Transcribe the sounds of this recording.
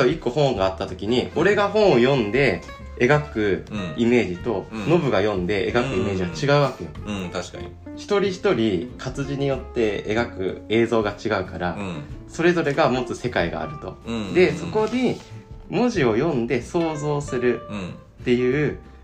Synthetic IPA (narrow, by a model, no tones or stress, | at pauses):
oikːo̞hõ̞ŋɡaːt̪ːat̪o̞kʲiɲ̟io̞ɾe̞ɡaɦõ̞ɰ̃o̞jõ̞nd̪e̞ | eɡakɯ̟ime̞ːʑit̪o̞no̞bɯ̟ɡajõ̞nd̪e̞ʔeɡakɯ̟ime̞ːʑiɡat͡ɕiɡaɯ̟βake̞jo | çi̥t̪o̞ɾʲiçi̥t̪o̞ɾʲikʰat͡sɨʑiɲ̟ijo̞t̪ːe̞eɡakɯ̟̰e̞ːzo̞ːɡat͡ɕiɡaɯ̟kaɾaso̞ɾe̞zo̞ɾe̞ɡamo̞t͡sɨse̞kaiɡa̰ːɾɯ̟t̪o̞d̪e̞so̞ko̞ɲimoʑio̞jõ̞nd̪e̞so̞ːzo̞ːsɨɾɯ̟ | t̪ːe̞jɯ̟ː